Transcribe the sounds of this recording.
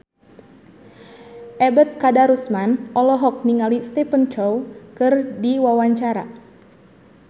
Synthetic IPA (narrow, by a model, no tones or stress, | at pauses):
ʔɛbət̪̚kadaɾusmanɔlɔɦɔk̚niŋalist̪ɛpənt͡ʃɔwkɨrdiwawaɲt͡ʃaɾa̰